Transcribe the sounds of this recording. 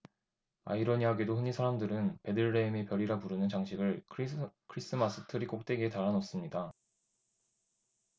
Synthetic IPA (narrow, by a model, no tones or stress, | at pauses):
a̰iɾʌɲiɦaɡe̞doɸɯɲisʰaɾamdɯɾɯnpe̞dɯɭɾeime̞pjʌɾiɾapuɾɯnɯnt͡ɕaŋɕʰiɡɯɭʰ | kʰɾis͈ɯmas͈ʰɯ̥tʰɯɾik͈ok̚t͈e̞ɡetaɾanʌs͈ɯmɲida